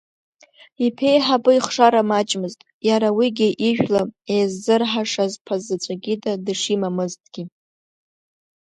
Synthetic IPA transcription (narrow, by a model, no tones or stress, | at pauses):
ipʰe̞jħabʼɨiχʂaɾamat͡ʃʼmɨztʼ | jaɾawiɡʲɪʔiʒᶣlaejzːɨrħaʂazpʰazat͡ʃʷʼaɡʲidadɨʂimamɨztʼɡ̥ʲi